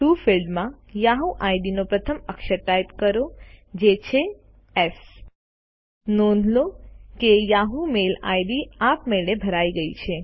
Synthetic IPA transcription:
ʈufilɖmãjaɦuʔaiɖinopɾət̪ʰəməkʃəʈajpkəɾod͡ʒet͡ʃʰe | ɛs | nonlokejaɦumela̰jɖiapmeɭebʱəɾaiɡəḭt͡ʃʰe

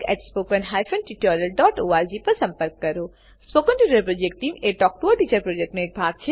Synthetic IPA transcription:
kɛ̰ːʈspoːkənɦaːjfɐ̃nʈiʈɔːɾiəlɖɔːʈoːaːɾd͡ʒiːpɐɾsɐ̃mpəɾkːɐɾoː | spoːkənʈiːʈɾəpɾoːd͡ʒek̚ʈ̚ʈːiːmeʈɔːk̚ʈuːəɾʈiːt͡ʃəɾpɾoːd͡ʒɛk̚ʈmẽeːk̚bʱaːɡ̚t͡ʃʰe

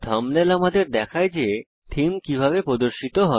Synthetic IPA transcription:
d̪ʱɔmlelamad̪eɾd̪ɛkʰaed͡ʑe | t̪ʰimkibʱabepɾod̪oɾʃit̪oɦɔ

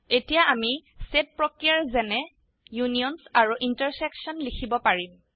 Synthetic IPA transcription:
etijaʔamiset̚pɹɔkɹijaɹzɛnɛ | juniɔnsaɹuʔintəɹsɛksɔnlikʰibɔpaɹim

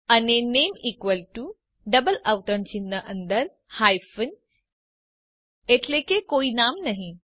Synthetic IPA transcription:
anenemikʋəlʈu | ɖəbəlawt̪əɳt͡ɕinːəʔənd̪əɾ | hajfən | et̪lekekoinamnaɦi

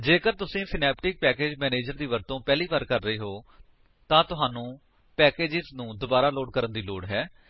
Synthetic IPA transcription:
d͡ʒeːkəɾt̪ʊsĩːsɪnɛːpʈɪk̚pɛːkeːd͡ʒmɛːneːd͡ʒəɾd̪iːʋəɾt̪õːpɛːliːʋaːɾkəɾːəiːɦoː | t̪ãːt̪ʊɦaːnũː | pɛːkeːd͡ʒɪznũːd̪ʊbaːɾaːloːɖkəɾənd̪iːloːɖɦɛː

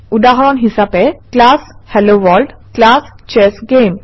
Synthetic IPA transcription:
ud̪aɦɾɔnɦisapeklashɛloʋɔlɖklast͡ɕɛsɡem

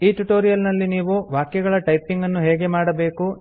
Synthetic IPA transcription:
iːʈuʈoːɾijɐlnɐlːiniːʋuʋaːkjɐɡɐɭɐʈɐjpiŋɡɐnːuɦɛːɡemaːɽɐbe̞ːku

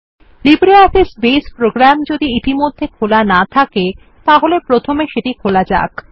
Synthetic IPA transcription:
libɾiɔfisbespɾoɡɾamd͡ʑod̪iit̪imod̪ʱːekʰolanat̪ʰake | t̪aɦolepɾot̪ʰomeʃeʈikʰolad͡ʑa̰k

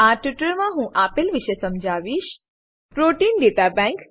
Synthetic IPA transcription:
aʈiʈəɾmãɦũʔapelʋɪʃesəmd͡ʒʱaːʋiʃ | pɾoʈiːnɖeːt̪abɛ̃ŋk

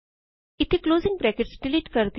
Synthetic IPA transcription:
ɪt̪ʰikloːzɪ̃ŋɡ̚bɾɛːkɪʈsɖɪliːʈkɐɾd̪

